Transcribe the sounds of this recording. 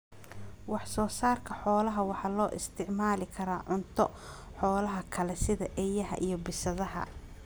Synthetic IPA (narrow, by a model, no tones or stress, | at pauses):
wɑħsɔːsaːrkʰɐħɔːlɐɦɐwɑħɑːlɔːʔɪst̪ʰɪʕmaːlɪkʰɐɾaːʕʊnt̪ʰɔ | ħɔːlɐɦɐkʰɐlɛsɪðɐʔɛjɐɦɐ̰ʔijɞbɪsɐðɐɦɐ̰